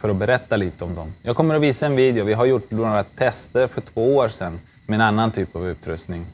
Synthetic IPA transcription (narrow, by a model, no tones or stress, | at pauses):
fœɾɔbɛɾɛt̪ːaliːt̪əɔmd̪ɔmjɑːɡ̚kʰɔmːəɾɔviːsaɛnviːd̪jʊvɪɦaɾjʊʈːnoɾat̪ʰːɛst̪əɾfœʈʰv̥oːoːʂɛnː | mɛɛnanːant̪ʰyːpavʉ̟ːt̪ɾɵ̰st̪nɪŋ